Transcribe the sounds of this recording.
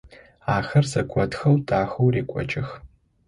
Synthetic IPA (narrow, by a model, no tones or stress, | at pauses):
aːxɐrsɐkʷʰɐtxɐwdʰʼaːxowreːkʷʼɔ̰t͡ʃʼɪx